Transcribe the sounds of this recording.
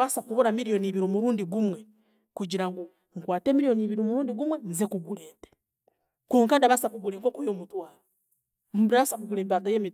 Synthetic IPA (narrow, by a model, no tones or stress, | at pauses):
βasakuβonamiɾijo̞niβiɾimuɾuːndiɡumwe̞ | kuɟiɾaŋɡo | ŋkwaːte̞ːmiɾijo̞niβiɾimuɾuːndiɡumwenzekuɡuleːte̥ | kuːŋkandaβasakuɡuleŋko̞ːkujomutwaːo | m̩bɾasakuɡulembaɡajeːmi